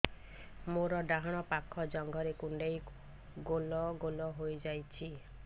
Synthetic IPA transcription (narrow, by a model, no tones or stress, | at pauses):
moɾɔɖaɦaɽ̃ɔpakʰːɔd͡ʒɔŋɡʱɔɾekuɳɖej | ɡolɔɡolɔɦojd͡ʒajt͡ʃʰi